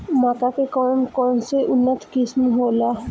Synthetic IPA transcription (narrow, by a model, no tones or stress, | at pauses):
mat̪akekɔɾnkɔnseʔunːət̪kismɦola